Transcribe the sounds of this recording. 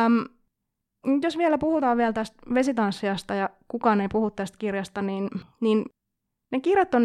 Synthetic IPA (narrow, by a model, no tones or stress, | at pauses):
m | nyt̪josʋiɛlæpuhut̪ɑːʋʋiɛlt̪æst̪ʋesit̪ɑnsːiɑst̪ɑjɑkukɑːneipuhut̪t̪ːæst̪kirjɑst̪ɑniːnniːn | nekirjɑt̪ːon